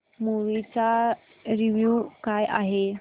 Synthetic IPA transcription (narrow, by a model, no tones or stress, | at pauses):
muʋit͡sa | ɾiʋjukajʔa̰ɦe